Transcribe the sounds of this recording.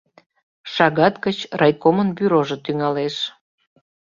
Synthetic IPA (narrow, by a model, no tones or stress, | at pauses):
ʃɑɣɑt̪kət͡ɕrʔɑjkomənbyɾoʒot̪yŋɑleʃ